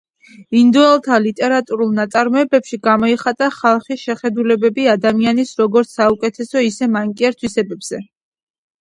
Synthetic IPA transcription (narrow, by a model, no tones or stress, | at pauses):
ind̪ɔɛlˠt̪ʰalit̪ʼɛɾat̪ʼuɾulˠnat̪sʼaɾmɔɛbɛpʃiɡamɔɛχat̪ʼaχalˠχisʃɛχɛd̪ulɛbɛbiad̪amianisɾɔɡɔɾt̪ssaukʼɛt̪ʰɛsɔisɛmaŋkʼiɛɾt̪ʰwisɛbɛbz̥ɛ